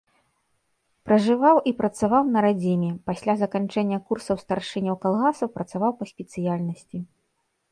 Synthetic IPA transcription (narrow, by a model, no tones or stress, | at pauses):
pɾɐʐɨvawʔipɾɐt̪savawnɐɾad͡zʲimʲɛpasʲlʲazɐkant͡ʂɛnʲːɐkursɐwst̪arʂɨnʲɐwkalˠɣasɐwpɾɐt̪savawpɐsʲpʲɛt̪sɨjalʲnɐsʲt͡sʲi